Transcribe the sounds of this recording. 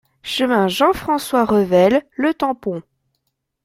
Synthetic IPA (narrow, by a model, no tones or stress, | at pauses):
ʃəmɛ̃ʒɑ̃fχɑ̃swaʁəvɛlːət̪ɑ̃pɔ̃